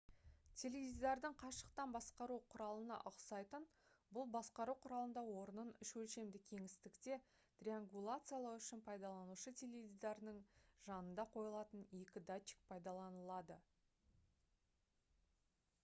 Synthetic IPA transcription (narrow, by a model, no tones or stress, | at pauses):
t̪ʲʰe̞levizɑɾd̪əɴqʰɑʃəq̚t̪ɑnbɑsqɑɾuqʰʊɾɑlˠənɑ̰ʔʊqsɑjt̪ən | bʊlˠbɑsqɑɾuqʰʊɾɑlˠənd̪ɑwo̞ɾənənʏʃwɵlʃe̞md̪ɪkʲʰe̞ŋɪst̪ɪkt̪e̞ | t̪rʲiaŋɡulˠat̪sɨjalˠɑʏʃɪnpʰɑjd̪ɑlˠɑnuʃət̪ʲʰe̞levʲizɑɾnəɴʒɑnənd̪ɑqʰo̞jəlˠɑt̪əne̞kʲɪd̪at͡ʃːɪ̥k̚pʰɑjd̪ɑlˠɑnəlˠɑd̪ə